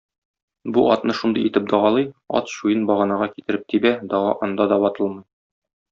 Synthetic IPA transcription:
buʔɒ̰t̪nɤʃund̪ɤjit̪ɘp̚d̪ɒʁɑlˠɤjɒ̰t̪ɕujɤnbɒʁɑnɑʁɑkit̪ɘ̆ɾɘp̚t̪ʰibæd̪ɒʁɑ̰ʔɒnd̪ɑd̪ɒbɒt̪ɤlˠmɤj

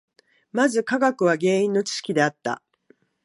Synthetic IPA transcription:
mazɨkaɡakɯ̟β̞aɡe̞ːĩnːo̞t͡ɕi̥ɕi̥kʲid̪e̞at̪ːa̰

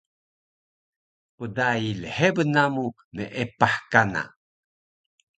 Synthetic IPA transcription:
pudailəhebənamu | məʔepaħkana̰

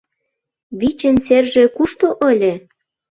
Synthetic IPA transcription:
βit͡ɕə̆nserʒĕkuʃt̪oʔə̆lʲĕ

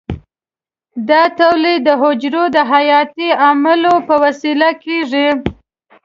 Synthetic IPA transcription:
d̪ɑt̪awled̪əɦʊd͡ʒɾod̪əɦajɑt̪iamalopəwasilakeʐi

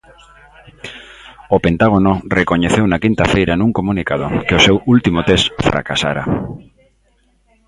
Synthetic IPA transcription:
opent̪aɣ̞onorekoɲeθewnakint̪afejɾanũŋkomũnikað̞o̰keosewult̪imot̪esfɾa̰ka̰sa̰ɾa̰

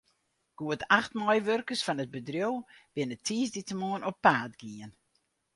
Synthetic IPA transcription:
ɡ̥uətʰaxtmɔjʋørkəsfɔnət̚bədrjowb̥ɪnətʰiːsditəmuənɔpːaːdɡiən

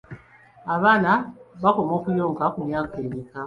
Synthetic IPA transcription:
aβanaβakɔmɔkujɔŋɡakuɲiakemika

